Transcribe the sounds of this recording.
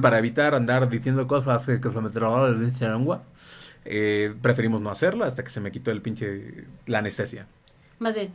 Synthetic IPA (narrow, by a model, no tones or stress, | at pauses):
paɾae̞βit̪aɾand̪aɾðisjend̪okofafekefemet̪ɾoɣaɾβenst̪eɾoŋɡwa | epɾe̞fe̞ɾimo̞zno̞ase̞ɾloast̪akese̞me̞kit̪o̞elpint͡ʃe̞lane̞st̪e̞sja̰ | mazβen